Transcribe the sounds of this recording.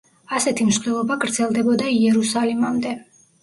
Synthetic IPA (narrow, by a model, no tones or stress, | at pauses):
asɛt̪ʰimʃχd̪ɛlˠɔbaɡɾd̪zɛlˠd̪ɛbɔd̪aiɛɾusalimamd̪ɛ